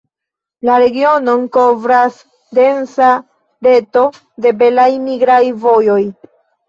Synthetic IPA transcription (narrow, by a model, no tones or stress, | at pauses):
laɾe̞ɡio̞no̞nko̞vɾas | de̞nsa | ɾe̞to̞ | de̞be̞lajmiɡɾajvo̞jo̞j